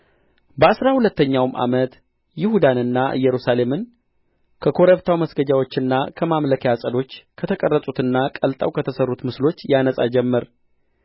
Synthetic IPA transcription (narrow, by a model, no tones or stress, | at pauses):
bəasɾahulət̪ːəɲːawmʔa̰mət̪ | jɪhud̪anɨnːaʔɨ̰jːɛɾusale̞mɨn | kʰəkʰo̞ɾeβt̪ʰawməsɡəd͡ʒawo̞t͡ʃːɨnːakʰəmamləkʰjasʼəd̪o̞t͡ʃːkʰət̪ʰəkʼərːəsʼut̪ɨnːakʼəlt̪ʼə̰wkʰət̪ʰəsərːut̪mɨslo̞t͡ʃːjanəsʼa̰d͡ʒɛmːəɾ